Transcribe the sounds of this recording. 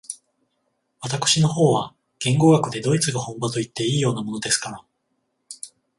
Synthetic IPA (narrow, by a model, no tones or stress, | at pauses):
βat̪akɯ̟̥ɕino̞ho̞ːβa | ɡ̥ẽ̞ŋɡo̞ːɡakɯ̟d̪e̞d̪o̞it͡sɨɡahõ̞mbat̪o̞it̪ːe̞iːjo̞ːnamo̞no̞d̪e̞sɨ̥kaɾa